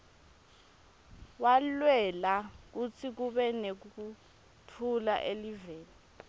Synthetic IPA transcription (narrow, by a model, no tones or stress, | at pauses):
walwɛlak̬ut͡sʰik̬uɓɛnek̬uk̬u | tʰula̰ʔeliveːni